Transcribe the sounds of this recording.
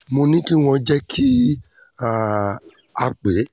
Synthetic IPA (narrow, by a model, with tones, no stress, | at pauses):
mo˧nĩ˦ki˦w̃ɔ̃˧d͡ʒɛ˦kʰi˦ | a˦˨ | a˧k͡pe˨˦